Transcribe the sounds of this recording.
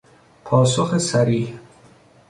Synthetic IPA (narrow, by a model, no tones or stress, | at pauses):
pʰɔːsoχesaɾih